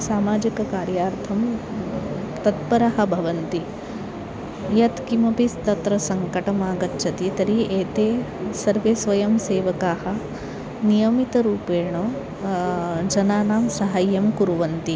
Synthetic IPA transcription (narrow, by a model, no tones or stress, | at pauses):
saːmaːd͡ʒikɐkaːɾjaːɾt̪ʰɐm | t̪ɐt̪̚pɐɾɐɦɐ̆bʱɐʋɐnt̪i | jɐt̪kimɐpist̪ɐt̪ɾɐsɐŋkɐʈɐmaːɡɐtːʃʰɐt̪it̪ɐɾiʔeːt̪eːsɐɾʋeːsʋɐjɐmseːʋɐkaːhɐ̆ | nijɐmit̪ɐɾuːpeːɳoː | d͡ʒɐnaːnaːmsɐɦɐjːɐmkuɾuʋɐnt̪i